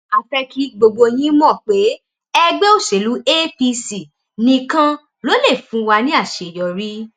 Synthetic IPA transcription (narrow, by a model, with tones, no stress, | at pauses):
a˨fɛ˧ki˧˦ɡ͡bo˧ɡ͡bo˧j̃ĩ˦mɔ̃˦˨k͡pe˨˦ | ɛ˦ɡ͡bɛ˦o˦˨ʃe˨˦lu˨˦e˦pi˧si˨ | nĩ˧kã˦ | lo˨˦le˦˨fũ˨˦wa˧nĩ˦a˦˨ʃe˨jɔ˨ɾi˦